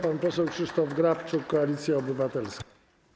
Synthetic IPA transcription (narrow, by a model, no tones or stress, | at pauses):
panpɔsɛwkʂɘʂt̪ɔvɡɾapt͡ʂʊkːɔalʲit̪sʲjaɔbɘvat̪ɛlsk